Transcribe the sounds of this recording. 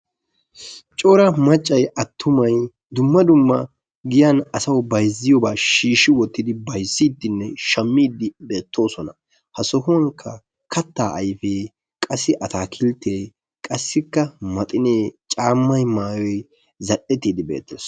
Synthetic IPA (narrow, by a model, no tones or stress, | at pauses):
t͡ʃʼoɾɐmɐt͡ʃʼːɐjɐt̪ʰːʊmɐj | d̪ʊmːɐd̪ʊmːɐ | ɡɪjanɐsɐwbɐjzɪjɔbaːʃiːʃɪwɔt̪ːɪd̪ɪbɐjsːiːt̪ːɪnːɛʃɐmːiːd̪ɪbe̞ːt̪ʰːo̞ːsɔnɐ | hɐsɔhʊŋkʰːɐ | kʰɐt̪ːaːʔɐjfeː | kʼɐsːɪʔɐt̪aːkʰɪlt̪ʰːeː | kʼɐsːɪkːɐmɐt̪ʼɪneːt͡ʃʼaːmːɐjmaːjɔj | zɐʔɛt̪ːiːd̪ɪbḛːt̪ːḛːs